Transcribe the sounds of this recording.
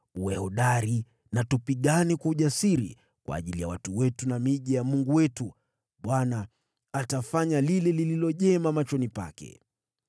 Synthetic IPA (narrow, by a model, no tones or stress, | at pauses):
uwɛhɔɗaɾi | natupiɠanikwauʄasiɾḭ | kwa̰ːʄilija̰watuwɛtunamiʄijamuŋɡuwɛtu | ɓwanaː | tafaɲalilɛlililɔʄɛmamat͡ʃɔnipa̰kɛ̰